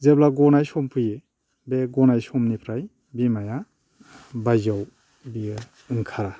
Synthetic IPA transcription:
zeblaɡɔnajsɔmpʰɯje | beɡɔnajsɔmnipʰɾaj | bimaja | bajzaw | bi | ɯŋkʰaɾa

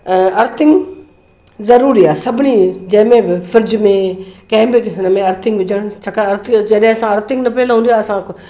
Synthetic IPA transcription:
ɐɾt̪ʰɪŋɡ | zɐɾuːɾiːaːsɐbniːd͡ʒɛ̃ːmẽːbɪfʰəɾd͡ʒmẽkɛ̃ɦbɪknəmẽɐɾt̪ʰɪ̃ŋɡbɪd͡ʒəɳ̃t͡ʃʰɐkaɐɾt̪ʰɪd͡ʒeɗẽɐsãːɐɾt̪ʰɪŋɡnɐpɛːlɦũːnd̪ijaːɐsã

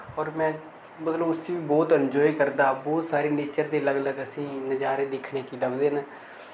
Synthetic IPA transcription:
ɔːɾmɛ̃ː | mət̪ləbʊsiːʋiːbɔːt̪ənd͡ʒɔːiːkəɾd̪aːbɔːt̪saːɾiːneːt͡ʃəɾt̪eːləɡləɡəsĩːnəd͡ʒaːɾeːd̪ɪkʰneːkiːɖəbd̪eːn

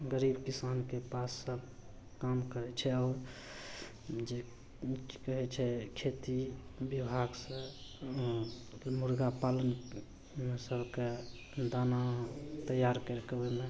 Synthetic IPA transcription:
ɡəɾibkisankepasːəbʱ | kamkəɾɛt͡ʃʰɛɔːɾ | d͡ʒe | ki̥kəɦɛt͡ʃʰɛkʰet̪ibibʱaɡsə̃ | muɾɡapalən | mesəbʱke | d̪anat̪əjaɾkəɾkbeme

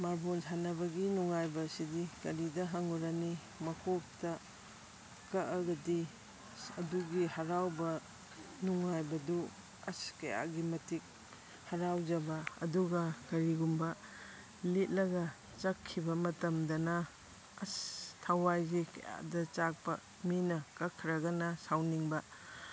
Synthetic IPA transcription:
maɾbonanɐbɐɡinuŋajbɐsidikɐɾidɐɦɐŋuɾani | mɐkʰok̚tɐ | kɐʔɐɡɐdi | ɐduɡihɐɾawbɐ | nuŋajbɐdu | ɐskɐja̰ɡimɐtik̚ | hɐɾawd͡ʒɐbɐɐ̰duɡɐkɐɾiɡumbɐ | let̚lɐɡɐ | t͡ʃɐkʰːibɐmɐtɐmdɐnɐ | ɐstʰawajzekɐ̰ja̰dɐt͡ʃak̚pɐ̰ | minɐkɐkʰːɾɐɡɐnɐsawniŋbɐ

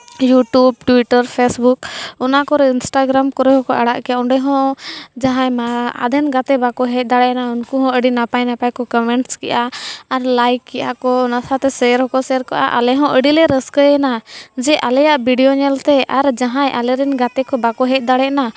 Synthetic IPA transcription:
juʈub̚ʈwiʈəɾpʰesbukɔnakɔɾɛinsʈaɡɾamkɔɾɛɦɔ̃kɔʔaɽa̰ʔkɛaɔɳɖɛɦɔ̃d͡ʒaɦãjmaa̰d̪ɛnɡat̪ɛbakɔɦɛc̚d̪aɽɛʔnaunkuɦɔ̃əɖinapajnapajkɔkɔmɛɳʈskɛ̰ʔaːɾlajkːɛʔakɔnasat̪ɛsɛɾɦɔkɔsɛɾkaʔa̰ʔa̰lɛɦɔ̃ʔəɖilɛɾəskəjɛnad͡ʒɛʔalɛjaʔbiɖijɔɲɛlt̪ɛʔaɾd͡ʒaɦãjʔalɛɾɛnɡat̪ɛkɔbakɔɦɛc̚ˀd̪aɽɛʔna

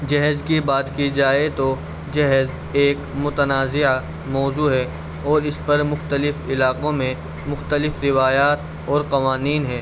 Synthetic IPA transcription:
d͡ʒɐɦzkibaːt̪kid͡ʒaːet̪o | d͡ʒɐɦz | eːkmʊt̪ənaːzɪa | mɔːzuːɦɛː | ɔːɾɪspɐɾmʊxt̪əlɪfɪlaːqõmẽ | mʊxt̪əlɪfɾɪʋaːjaːt̪̚ | ɔːɾqɐʋaːniːnɦɛː

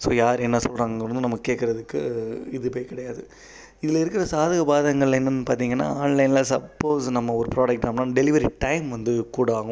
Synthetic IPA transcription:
so̰ːjaːɾɛnːɐsɔlraːŋɡɐɡɪɾɯnd̪ɯnɐmːɐɯkːeːʈkːɪɾɐðɯkːɯɪðɯpoːkɪɽɐjaːðɯ | ɪðɪlɐɪɾɯkːɪɾɐsaːðɐɣɐbaːðɐŋɡɐɭlɐɪnːɯnɯpaːɾt̪̬iːŋɡɐnːa̰ːaːnlɐɪnlaːsɐpːoːsnɐmːɐɔɾɯpɾaːɖɐk̚ʈaːmnaːɖɛlɪʋɐɾiʈɐɪmʋɐnd̪ɯkuːɽaːɣʊ

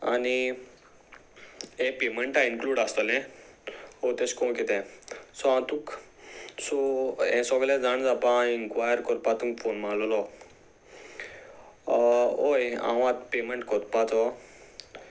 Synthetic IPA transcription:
ani | ẽpemeɳʈainkluɽast̪ɔlɛ̃ | ot̪eskɔ̃ket̪ɛ̃sɔãt̪uk | sɔɛ̃sɔɡlɛ̃d͡zaɳd͡zapãinkʋajəɾkɔɾpat̪ũŋkfonmãlɔlɔ | ojã̰ʋãt̪pemeɳʈkɔt̪pat͡sɔ

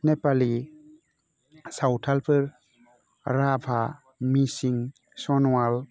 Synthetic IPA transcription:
nepali | sawtʰalpʰɯɾ | ɾapʰa | misiŋ | sɔnwal

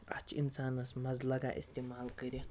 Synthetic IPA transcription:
ɐt͡ʃʰinsaːnɨsmɐzlɐɡa̰ʔḭst̪imaːlkəɾʲi

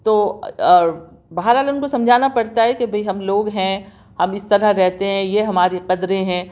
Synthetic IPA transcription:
t̪oː | bɐɦəɾɦaːlʊnkosɐ̃md͡ʒʱaːnapɐɽt̪aɦɛkebʱɐiɦɐmloːɡɦɛ̃ | hɐmɪst̪ɐɾəɾɛɦt̪eɦɛ̃jeɦɐmaːɾiqɐd̪ɾẽɦɛ̃ː

